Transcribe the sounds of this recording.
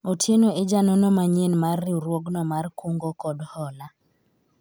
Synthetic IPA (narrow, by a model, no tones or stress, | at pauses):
otʰjenoed͡ʒanonomaɲenmarːiɾwoɡnɔmarkuŋɡokɔdhɔla